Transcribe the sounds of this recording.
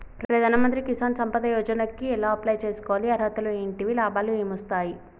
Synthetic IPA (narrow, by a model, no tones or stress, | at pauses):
pɾɐɾɐd̪ʱaːnɐmɐnt̪̬ɾikisaːnsɐmpɐd̪ɐjɔːd͡ʒɐnɐkːiɛlaːɐplɐːjt͡ʃeːsu̥kɔːʋaliɐɾɦɐt̪ɐlueːɳʈiʋilaːbʱaːlueːmɐst̪aːji